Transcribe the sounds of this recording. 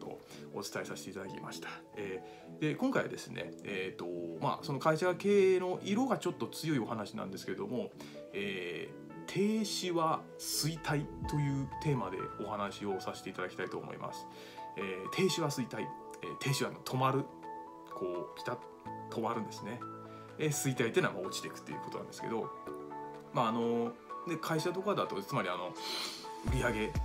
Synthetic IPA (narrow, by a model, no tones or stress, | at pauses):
o̰ | o̞̰t͡sɨ̥t̪aesaɕi̥t̪eit̪ad̪akʲḭma̰ɕi̥t̪ʰḁ | eː | d̪̥e̞kõŋkaiβa̰d̪e̞sɨnʔe̞̰eːt̪o̞ma̰so̞no̞kaiɕaake̞ːno̞ʔiɾo̞ɡat͡ɕo̞t̪ːo̞t͡sɨjo̞io̞hanaɕinã̰nd̪e̞sɨ̥keɾe̞d̪o̞mo̞ | eː | t̪ʰe̞ːɕiβa | sɨit̪ʰait̪o̞jɯ̟ːt̪e̞ːmad̪e̞̰o̞hanaɕio̞saɕi̥t̪e̞it̪ad̪aki̥t̪ait̪o̞ːmo̞̰ḭmʔa̰sɨ̥ | eːt̪ʰe̞ːɕiβasɨit̪ai | ḛːt̪ʰe̞ːɕiβano̞t̪ʰo̞maɾɯ̟ | kʰo̞ːkʲi̥t̪a | t̪ʰo̞maɾɯ̟̃nd̪e̞sɨne̞ | esɨit̪ait̪ːena̰ma̰o̞t͡ɕi̥t̪e̞kɯ̟̥t̪ːejɯ̟kot̪onãnd̪eske̞d̪o̞ | maːno̞ne̞kʰaiɕat̪o̞kad̪at̪ot͡sɨmaɾʲiano̞ | ɯ̟ɾʲiaɡe̞